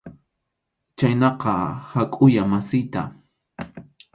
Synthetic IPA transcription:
t͡ʃajnɑqɑhakʼʊjamasɪjt̪a

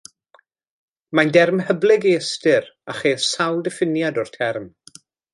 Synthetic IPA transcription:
majndɛrmhəblɪɡejəstɪɾaχejðsawlˠdɛfɪnjadɔrtʰɛrm

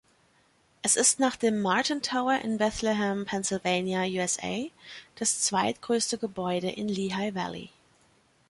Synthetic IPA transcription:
ʔɛsɪstnaːχd̥eːmːaɐtʰɪntʰaʊɐʔɪ̰nbɛθlɪɦɛmpʰɛnsɪlveɪnjajuːɛsḛɪd̥ast͡sv̥aɪtɡ̥ʁøːstəɡəbɔʏɾəʔɪ̰nliɦaɪvæ̰lḭ

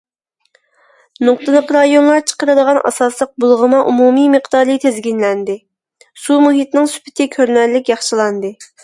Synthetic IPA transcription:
nʊq̚t̪ɨlˠəqɾɑjonlˠɑɾt͡ʃʰə̥qəɾɨd̪əʁɑnʔɑ̰sɑslˠəq̚bulˠʁəmɑʔumumiməχd̪ɑːɾɨt̪ʰezɡʲinlɛnd̪ɪ | sumuɦit̪nɪŋsy̥pʰɪ̥t̪ʰɪkʲʰøɾnɛɾlɪkʲjɑχʃəlˠɑnd̪ɨ

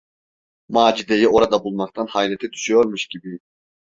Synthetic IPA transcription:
maːd͡ʒid̪ejio̞ɾad̪abulˠmɑqt̪ʰanhajlɛt̪ʰɛd̪yʃyjo̞ɾmuʃɟibi

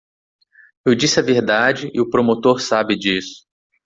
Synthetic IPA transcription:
ewd͡ʒisɪɐveɾd̪ad͡ʒɪʔɪʊpɾomot̪oɾsabɪd͡ʒisʊ̥

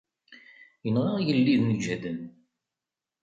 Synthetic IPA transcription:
jənʁajəlːiðnəɡæðən

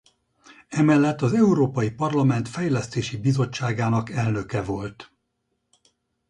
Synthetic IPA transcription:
ɛmɛlːɛt̪ːɒzɛuɾoːpɒjipɒrlɒmɛn̪t̪fɛjlɛst̪eːʃibizo̞t͡ʃːaːɡaːnɒkɛlnø̞kɛvo̞lt̪

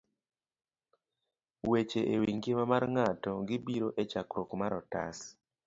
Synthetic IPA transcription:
wet͡ʃeʔewiŋɡemamarŋatɔɡɪbiɾoʔet͡ʃakɾokmaɾɔta̰s

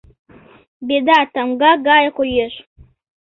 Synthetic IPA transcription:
bedaːtʰamɡaɡaːjqʷojeɕʷ

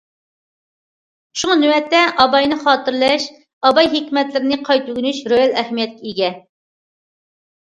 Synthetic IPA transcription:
ʃuŋɑnywɛt̪ːɛʔɑbɑjnɨχɑːt̪ɨɾlˠɛʃ | ɑbɑjɦekʲmɛt̪lɪɾɪnɪqʰɑjt̪yɡʲynyʃɾojɛlɛhmijɛt̪̚kʲʰɛiɡʲɛ

